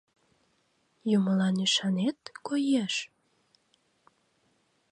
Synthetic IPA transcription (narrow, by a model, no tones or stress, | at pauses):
juməlɑnyʃɑnet̪kojeʃ